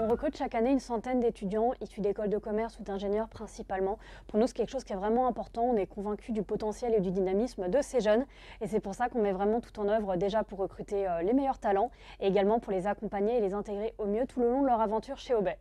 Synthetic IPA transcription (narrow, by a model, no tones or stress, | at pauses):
ɔ̃ʁəkχyt̪ʃakaneynsɑ̃t̪ɛnd̪et̪yd̪jɑ̃isyd̪ekɔld̪əkɔmɛʁsud̪ɛ̃ʒenjœʁpχɛ̃sipalmɑ̃ | puʁnusɛ̥kʲɛlkəʃoz̥kʲiɛvʁɛmɑ̃ɛ̃pɔʁt̪ɑ̃ɔ̃nɛkɔ̃vɛ̃kʲyd̪ypɔt̪ɑ̃sjɛled̪yd̪inamismd̪əseʒœn | esɛpuʁsakɔ̃mɛvʁɛmɑ̃t̪u̥t̪ɑ̃nœvʁəd̪eʒapuʁːəkχyt̪eølemejœʁt̪alɑ̃ | eeɡalmɑ̃puʁlezakɔ̃paɲeːlezɛ̃t̪eɡʁeʔomjøt̪ʰuləlɔ̃d̪əlœʁavɑ̃t̪yʁʃeobɛ